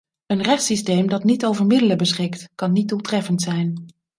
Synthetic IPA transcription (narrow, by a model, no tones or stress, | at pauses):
ənrɛχtsistejmdɑtnitowvəɹmɪdələbəsχɪktkɑnːid̚dulˠtrɛfəntsɛjn